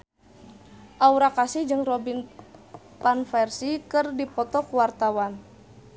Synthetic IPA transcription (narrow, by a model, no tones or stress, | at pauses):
ʔauɾakasihd͡ʒɨŋrɔbin | panfɛrsikɨrdipɔt̪ɔkuwart̪awan